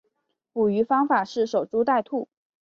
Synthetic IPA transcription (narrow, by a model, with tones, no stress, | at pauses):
pu˨˩y˧˥fɑ˥ŋfa˨˩ʂɻ̩˥˩ʂo˨˩ʊʈ͡ʂu˥t̪a˥˧ɪt̪ʰu˥˩